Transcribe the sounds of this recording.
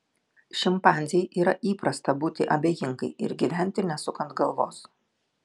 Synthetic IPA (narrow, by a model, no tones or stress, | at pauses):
ʃʲɪmpɑːˑnʲzʲɛjʔiːɾɐʔiːpɾɐst̪ɐbuːt̪ʲɪʔɐbʲeːjɪŋɡɐɪʔɪ̰ɾɡʲiʋʲæˑnʲt̪ʲɪnʲɛsʊkɐnt̪ɡɐlˠʋoːs